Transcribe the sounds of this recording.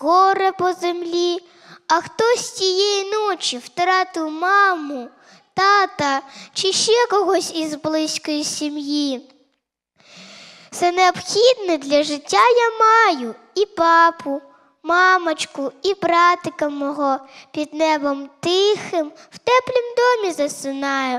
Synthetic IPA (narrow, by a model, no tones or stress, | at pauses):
ɣɔɾɛpɔzemlʲi | ɐxt̪ɔsʲtʲijɛjinɔt͡ʃiwt̪ɾɑt̪ɪwmɑmʊ | t̪ɑt̪ɐt͡ʃɪʃt͡ʃɛkɔɦɔsʲizblˠɪsʲkɔjisʲimji | t̪sɛneɔbxʲid̪nɛd̪lʲɐʒɪtʲːajamɑjʊ | ipɑpʊ | mɑmɐt͡ʃkʊibɾɑt̪ɪkɐmɔɦɔpʲid̪nɛbɔmt̪ɪxɪmw̥t̪ɛplʲimd̪ɔmʲizɐsɪnɑjɛ